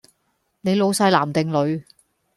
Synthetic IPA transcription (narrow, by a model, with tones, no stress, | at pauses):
ne˨˧jlo˨˧wsɐ˧jlaː˨˩mt̪ɪ˨ŋlɵ˨˧ɥ